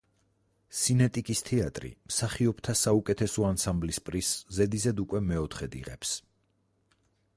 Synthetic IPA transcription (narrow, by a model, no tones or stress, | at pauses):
sinɛt̪ʼikʼist̪ʰɛat̪ʼɾḭmsaχiɔpt̪ʰasaukʼɛt̪ʰɛsɔansamblispʼɾiszɛd̪izɛd̪ukʼwɛmɛɔt̪ʰχɛd̪ḭʁɛ̰ps